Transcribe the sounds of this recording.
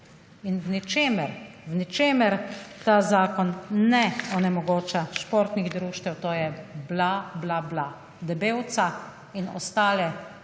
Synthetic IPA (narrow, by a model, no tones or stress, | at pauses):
inwnit͡ʃemɛɾwnit͡ʃeːmɛɾt̪aːzaːkɔnnɛɔnɛmɔɡoːt͡ʃaʃʃpoːɾt̪niɣd̪ɾuːʃt̪ɛwt̪oːjɛblablabla | d̪ɛbeːwt̪sa | inɔ̰st̪aːlɛ